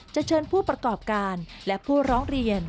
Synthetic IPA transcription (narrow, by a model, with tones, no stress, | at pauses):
t͡ɕa˨˩t͡ɕʰɤː˧npʰuː˥˩pɾa˧kɔː˨˩p̚kaː˧nlɛ˦˥pʰuː˥˩ɾɔː˦˥ŋɾi˧ən